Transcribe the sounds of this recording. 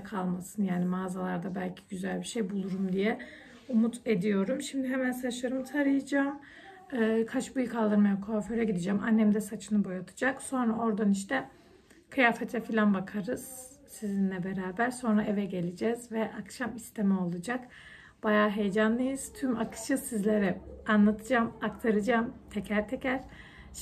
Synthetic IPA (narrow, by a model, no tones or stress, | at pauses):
kʰalˠmasɯnjaːnimaːzalˠaɾd̪abælʲcʰi̥ɟyzælʲbiʃejbulˠuɾumd̪ijɛ | umut̪ʰe̞d̪ijo̞ɾumʃimd̪iɦemænsaʃaɾɯmt̪ʰaɾɯjɯd͡ʒaːm | ɯːkʰat͡ʃbujkʰalˠd̪ɯɾmajamkʰoːføɾɛɟid̪id͡ʒæmʔa̰nːɛmd̪ɛsat͡ʃʰɯnɯbo̞jat̪ʰɯ̥d͡ʒakso̞nɾao̞ɾd̪aniʃ̬t̪ʰɛ | kʰɯjaːfat̪ʰafilʲanbakʰaɾɯz̥ | sizinlʲɛbeɾaːbæɾso̞nɾaevɛɟe̞lʲid͡ʒɛːzvɛʔakʃamist̪ʰemɛo̞lˠad͡ʒak | b̥ajaːɦe̞jd͡ʒanlˠɯjɯz̥t̪ʰymakʰɯ̥ʃɯsizlʲeɾɛanlˠat̪ʰɯd͡ʒamakt̪ʰaɾɯd͡ʒaːmt̪ʰecʰæɾt̪ʰecʰæɾ̥